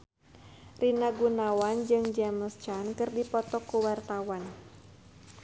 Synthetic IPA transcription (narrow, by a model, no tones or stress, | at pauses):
rinaɡunawand͡ʒɨŋd͡ʒɛməst͡ʃankɨrdipɔt̪ɔkuwart̪awan